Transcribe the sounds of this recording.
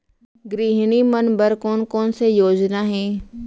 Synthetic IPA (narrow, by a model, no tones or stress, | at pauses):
ɡɾiːɦnimənbəɾkoːnkoːnsejoːd͡ʒnaːɦẽː